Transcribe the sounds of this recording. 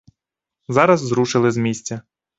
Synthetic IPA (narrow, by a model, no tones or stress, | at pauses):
zɑɾɐzːɾuʃɪlˠɪzmʲisʲt͡sʲɐ